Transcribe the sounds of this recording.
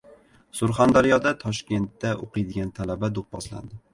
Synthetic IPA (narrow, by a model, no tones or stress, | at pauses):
sʊɾχand̪aɾijɒd̪at̪ʰɒʃkʲe̞nt̪ːaʔoqɨjd̪ɪɡʲant̪ʰalabad̪ʊq̚bɒ̰sla̰nd̪ɪ